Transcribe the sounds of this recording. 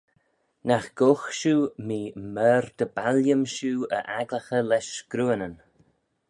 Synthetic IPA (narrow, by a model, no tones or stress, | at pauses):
naxɡ̥oxʃuːmiːmɛːɾd̪̥əbaljəmʃuːə̰ʔaɡləxəlɛʃɡ̥ɾuːənən